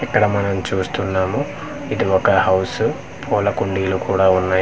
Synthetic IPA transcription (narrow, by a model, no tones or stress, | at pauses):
ɛkːɐɽɐmɐnɐmt͡ʃuːst̪unːaːmu | id̪iɔkɐhɐwsu | pʰɔːlɐkuɳɖiːlukuːɽaːunːaːj